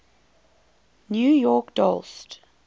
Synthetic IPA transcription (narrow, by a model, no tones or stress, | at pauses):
njuːjɔkd̥ɔ̰lst